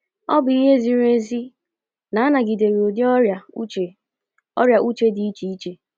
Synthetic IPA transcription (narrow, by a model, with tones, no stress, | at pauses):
ɔ˦bʊ˨i˦ɦe˦zi˨ɾe˦zi˦ | na˨a˦na˨ɡi˨de˨ɾo˨di˦ɔ˦a˨u˦t͡ʃe˨ | ɔ̰˦ɾja˨ʔu˦t͡ʃe˦di˨˦i˦t͡ʃi˨i˦t͡ʃe˨